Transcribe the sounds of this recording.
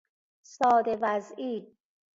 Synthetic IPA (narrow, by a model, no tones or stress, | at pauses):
sɒːd̪evæziː